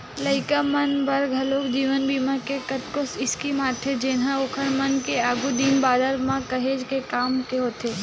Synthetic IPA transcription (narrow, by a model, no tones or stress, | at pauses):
ləɪkamənbɐɾɡʱɐloːkd͡ʒiːʋənbiːmãkekɐt̪kosɪskimaːʈʰed͡ʒeːnɦãoːkʰənmɐnkeaːɡud̪iːmbaːd̪əɾmãkɐɦeːd͡ʒkekaːmkeɦoːt̪ʰe